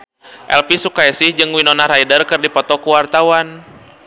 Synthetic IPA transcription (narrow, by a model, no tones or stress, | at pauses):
ʔɛ̰lpisukajasihd͡ʒɨŋwinɔnaɾajdərkɨrdipɔt̪ɔkuwart̪awan